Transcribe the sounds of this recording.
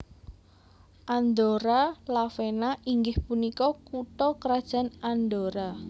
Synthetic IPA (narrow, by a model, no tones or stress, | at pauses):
ʔand̪oɾalafenaʔiŋɡɪhpunikɔkuʈɔkəɾad̥ʒ̥a̤nand̪oɾa